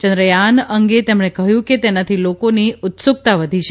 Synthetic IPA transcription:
t͡ʃə̃nd̪ɾəjanəŋɡet̪emɽ̃ekəɦjũket̪enat̪ʰilokoniʊt̪sʊk̚t̪aʋəd̪ʱiʃe

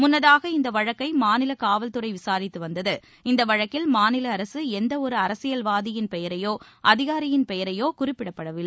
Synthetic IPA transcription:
mʊnːɐðaːɣɐɪnd̪ɐʋɐɻɐkːɐɪmaːnɪlɐkaːʋɐlt̪ɯɾɐɪʋɪsaːɾɪt̪ːɯʋɐnd̪ɐðɯ | ɪnd̪ɐʋɐɻɐkːɪlmaːnɪlɐːɾɐsɯɛnd̪ɐɔɾɯɐɾɐsɪjɐlʋaːðɪjɪnpɛjɐɾɐjoːʔɐðɪɣaːɾɪjɪnpɛjɐɾɐjoːkʊrɪpːɪɽɐpːɐɽɐʋɪlːɐ

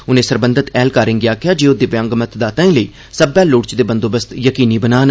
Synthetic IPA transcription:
ʊnẽːsəɾbənd̪ət̪ɛːlkaːɾɪ̃ŋɡɪjaːkɪjaːd͡ʒeːʊd̪eːʋjãːŋɡmət̪ʰd̪aːt̪aːĩːləiː | səbɛːlʊːʈt͡ʃd̪eːbənd̪oːbəst̪jəkiːniːbənaːn

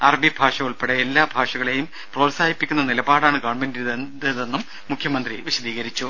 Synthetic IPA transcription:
ɐrɐbibʱaːʂɐuɭpeɽeelːaːbʱaːʂɐɣɐɭe̞jum | proːʈsaːhipːikʲːunːɐnilɐbaːɽaːɳɨkaːɳbendiɾuððe̞nːumːukʰjɐmɐnd̪riʋiɕɐd̪iːɣɐɾit͡ɕːu

